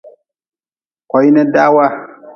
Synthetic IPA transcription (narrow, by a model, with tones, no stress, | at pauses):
kɔ˨i˦nɛ˦da˦wa˦